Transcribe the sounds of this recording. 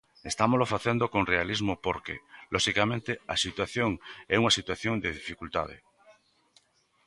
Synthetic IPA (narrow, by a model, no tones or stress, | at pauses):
est̪amozlofaθend̪okonrealizmopoɾkḛlʔoʃikamẽnt̪easit̪waθjoŋɛuŋasit̪waθjond̪eðifikult̪a̰ð̞ḛ